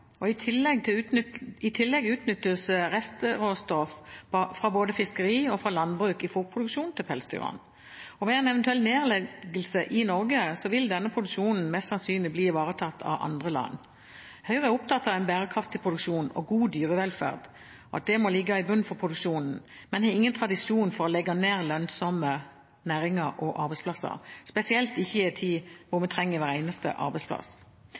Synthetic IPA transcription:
ɔɪt̪ʰɪlːɛɡ̚t̪ʰɪɪt̪ʰɪlːɛɡʉːt̪nʏt̪ːəsəʁɛst̪əʁoːst̪ɔffʁɑboːd̪əfɪskəʁiːɔfɾɑlɑnbʁʉːkɪfuːʁpʰʁʊd̪ʉkʂuːnt̪ʰɪlpʰɛlsd̪ʰʉ̰ːʁɑ̰n | ɔʋɛɛɪnɛʋənt̪ʉɛlneːʁlɛɡəlsəʔɪnɔʁɡəsɔʋɪld̪ɛnːəpʰʁʊd̪ʉkʂuːnn̩mɛst̪sɑnsyːnlɪbliːɪʋɑːʁət̪ʰɑt̪ʰːɑ̰ʋʔɑ̰nd̪ʁəlɑ̰nː | hœʏʁəæɾʊp̚t̪ʰɑt̪ːɑʋæɪnbæːʁəkʰʁɑft̪ʰːɪlpʁʊd̪ʉkʂuːnɔ̰ɡuːd̪yːʁəʋɛlfæ̰ʁd̪ | ɔɑ̰t̪̚d̪ɛmɔlɪɡːɑɪbʉnːfɔʁpʰʁʊd̪ʉkʃuːnn̩mɛnhɛɪŋːənt̪ʰʁɑd̪ɪsjuːnfɔɾɔlɛɡːɑneːʁlœnsɔmə | næːɾɪŋɑɾɔʔɑɾbæɪspʰlɑsə̰spɛsɪɛlt̪ɪçːəjæt̪ʰiːʋʊmɛt̪ʰʁɛŋːəʋæːɾeɪnəst̪ə̰ʔɑ̰ɾbæɪspʰlɑ̰s

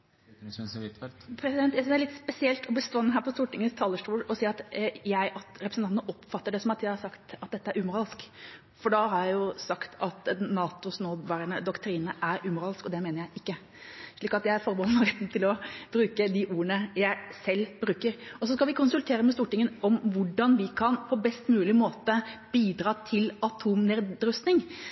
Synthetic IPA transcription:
lpʰɾɛsɪd̪ɛnt̪jæsnd̪æɭɪt̪spɛsɪɛlt̪ʰɔbəst̪oːɛnːəɦæːɾpɔst̪uːʈɪŋːənst̪ʰɑːləʂʈuːlɔsiːɑt̪jæɪʔɑt̪ɾɛpɾəsn̩ɑnt̪nəʔɔpfɑt̪ːəɖɛsɔmɑt̪jæɪhɑsɑkt̪ɑt̪̚d̪ɛt̪ːəæɾʉːmʊɾɑːlsk | fɔɖɑhɑɾjæɪjʊsɑkt̪ʰɑt̪nɑːt̪ʊsnoːʋɑːɾəɳəd̪ɔkt̪ʰɾiːnəʔæɾʉmʊɾɑːlskɔd̪ɛmeːnəɾjæɪʔɪkːə | ʂɭiːkɑt̪jæɪæɾfɔɾbɔnmɑɾt̪nt̪ʰɪlɔb̥ɾʉːkəd̪ɪʔuːɾəɳəjæɪsɛlːb̥ɾʉːkəɾɔsɔskɑlʋɪkʰʊnsʉlt̪ʰeːɾəmɛst̪uːʈɪŋːənɔmʋʊɖɑnʋɪkʰɑnpʰɔbɛst̪mʉːlɪmoːt̪əb̥iːd̪ɾɑːt̪ʰɪlɑt̪ʰuːmnɛːɾɾʉst̪nɪŋ

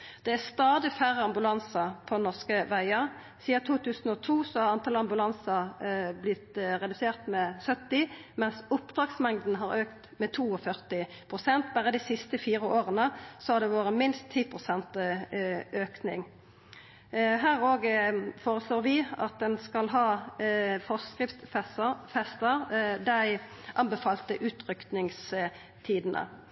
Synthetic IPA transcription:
d̪̥ɛæʁst̪ɑːd̪ɪfæʁɑmbʉlɑnsəpʰɔnɔʁskəʋæɪəʁ | siːɑt̪ʰuːt̪ʉːsn̩ɔt̪ʰuːsɔhɑʁɑnt̪ʰɑlɑmbʉlɑnsɑblɪt̪ʁɛd̪ʉseːʁt̪mɛsœt̪ːɪmɛnsʊpd̪̥ʁɑːɡsmɛŋd̪n̩ɦɑʁøːkt̪mɛt̪ʰuːɔfœʁt̪ɪ | pʰʁʊsɛnt̪̚bæːʁəd̪ɪsɪst̪əfiːʁəʔoːʁənəsɔhɑd̪ɛʋoːʁəmɪnst̪ʰːiːpʰʁʊsɛnt̪ | øːknɪ̰ŋ | ɦæːʁoːɡfoːʁəsloːʁʋɪɑt̪̚d̪ɛnskɑlɦɑː | fɔskʁɪft̪fɛst̪əʁd̪æɪ | ʔɑnbəfɑːlt̪əʔʉːt̪ʁʏk̪nɪŋs | t̪ʰiːd̪ənʔə̰

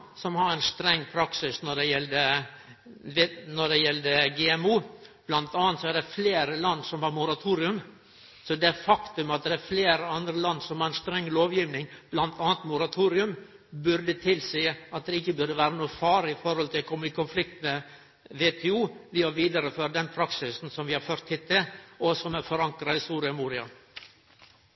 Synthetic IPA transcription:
sɔmhɑɾɛnst̪ɾɛŋːpʰɾɑksɪsnɔɖɛjɛld̪ə | nɔɖɛjɛld̪əɡɛːɛmuːb̥lɑnt̪ɑːnt̪sɔæɾɖɛfleːɾəlɑnd̪sɔmhɑɾmʊɾɑt̪ʰuːɾɪʉm | sɔd̪ɛfɑkt̪ʉmɑt̪̚d̪ɛæfleːɾəɑnd̪ɾəlɑnd̪sɔmhɑɾɛnst̪ɾɛŋːloːʋjiːʋnɪŋb̥lɑnt̪ʰɑːnt̪mʊɾɑt̪ʰuːɾɪʉm | bʉɾd̪ət̪ʰɪlsiːəɑt̪̚d̪ɛɪçːəbʉɾd̪əʋæːɾənuːəfɑːɾɪfɔɾhɔlt̪ʰɪlkʰɔmːɪkʰʊnflɪk̚t̪me | ʋet̪ʰɛːuːlɪːɑʋiːd̪ɑɾəføɾd̪ɛnpʰɾɑksɪsn̩sɔmʋɪhɑɾføːɾt̪hɪt̪ʰːɪɔsɔmæɾfɔɾɑŋkɾɑɪsuːɾɪɑmuːɾɪɑ

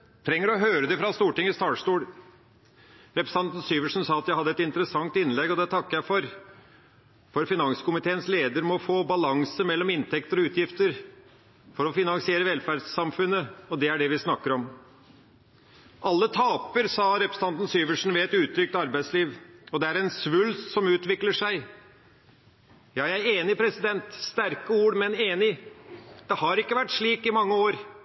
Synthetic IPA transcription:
t̪ʰɾɛŋːəɾɔɦøːɾəd̪ɛfɾɑst̪uːʈɪŋəst̪ɑːʂt̪uːl | ɾɛpɾə̥sɑnt̪n̩syːʋəʂn̩sɑːɑt̪jæɪhɑd̪ːəɛt̪ɪnt̪əɾəsɑŋt̪ɪnlɛɡːɔd̪ɛt̪ʰɑkːəjæɪfɔɾ | fɔɾfɪnɑŋsə̥kʊmɪt̪ʰeːənsleːd̪əɾmɔfoːbɑlɑŋsəmɛlːɔmɪnt̪ʰɛkt̪əɾɔʉːt̪jɪft̪əɾ | fɔɾɔfɪnɑŋsɪeːɾəʋɛlfæːɖsɑmfʉnːəɔd̪ɛæɖɛʋɪsnɑkːəɾɔm | ʔɑlːət̪ʰɑːpəɾsɑɾɛpɾəsn̩ɑnt̪n̩syːʋəʂɳ̩ʋɛɛt̪ʉːt̪ʰɾʏk̚t̪ɑɾbæɪd̪sliːʋɔd̪ɛæɾɛnsʋʉlssɔmʉːt̪ʋɪkləʂæɪ | jɑːjæɪeːnɪpʰɾɛsɪd̪ɛnt̪st̪æɾkəuːɽmɛneːnɪ | d̪̥ɛhɑɾɪkːəʋæʈːʂɭiːkɪmɑŋːəoːɾ

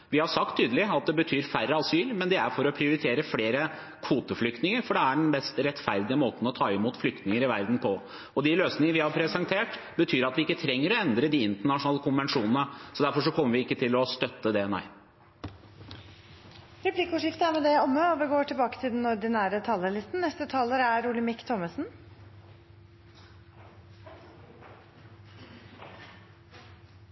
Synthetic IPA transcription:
ʋɪhɑɾsɑk̚t̪ʰːyːd̪əlɪɑt̪̚d̪ɛbət̪ʰyːɾfærːəɑsyːɾmɛnd̪ɛæɾfɔɾɔpʰɾɪʊɾɪt̪ʰeːɾəfleːɾə | kʰʋuːt̪əflʏk̚t̪nɪŋəɾfɔɖɛæɖɛnmɛst̪ɾɛt̪fæɾd̪ɪəmoːt̪n̩ɔt̪ʰɑːɪmuːt̪flʏk̚t̪nɪŋəɾɪʋæɾd̪n̩pʰɔ | ɔd̪ɪløːsnɪŋəɾʋɪhɑɾpʰɾɛsɛnt̪ʰeːʈ | bət̪ʰyːɾɑt̪ʋɪɪkːət̪ʰɾɛŋːəɾɔɛnd̪ɾəd̪iɪnt̪əɳɑʂʊnɑːləkʰʊnʋɛnʂuːnən̩əsɔd̪æɾfɔʂɔkʰɔmːəɾʋɪɪkːət̪ʰɪlɔst̪œt̪ːəd̪ɛɛnæ̰ɪ | ɾɛpʰlɪkəʊːʂɪft̪əæɾmɛd̪ɛjɔmːəɔʋɪɡoːʈɪlbɑːkət̪ʰɪld̪ɛn̩ɔɾɖ̪ɪnæːɾət̪ʰɑːləlɪst̪n̩nɛst̪ət̪ʰɑːləɾæɾulɪmɪkːt̪ʰɔməsn̩

